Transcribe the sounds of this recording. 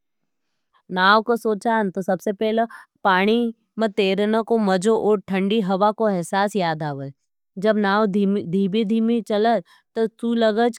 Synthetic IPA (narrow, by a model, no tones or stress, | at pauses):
naːwkosoːt͡ʃaːnt̪osɐbsepɛɦlepaːɽ̃i | mɐ̃t̪eːɾnəkomɐd͡ʒoʔɔːɾʈʰɐ̃ɳɖiɦɐʋakoɛɦsaːsjaːd̪aːʋə | d͡ʒɐbnaːwd̪ʱiːbid̪ʱiːmit͡ʃɐlə | t̪osuːlɐɡəd͡ʒ